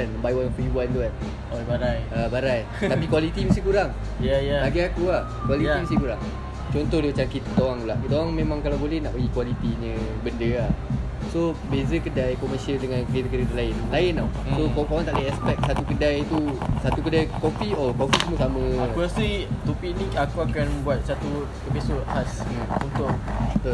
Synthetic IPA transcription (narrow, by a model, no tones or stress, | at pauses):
anməmbajwanpəɦibuant̪uan | baɾajabaɾaj | t̪apikwalit̪iməst̪ikuɾaŋ | jajaaɡiakuah | kwaliimast̪ikuɾaŋ | t͡ʃɔnt̪ɔhdimət͡ʃaŋkit̪kut̪awaŋt̪ulaʔut̪owaŋmẽmãŋkalawbolɛhnaʔpəɡikwalit̪iɲə̃ | bəndəa | sobezəkədajkɔməsialdəŋãnkɾit̪əkəɾit̪əlaɪnlaɪna | sokapawãŋt̪aʔlaɛspɛk̚sat̪ukədajt̪usat̪ukədajkopiɔkopismũsamə̃auasit̪opinĩakuakanbuat̪̚sat̪u | əpisɔt̪̚has | unt̪ʊkt̪